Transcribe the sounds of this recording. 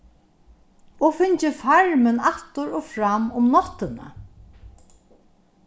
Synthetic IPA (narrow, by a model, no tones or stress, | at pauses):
ɔfɪɲt͡ʃɪfaɹmɪnaht̪ʊɾɔfɾamːʊmnɔt̪ɪna̰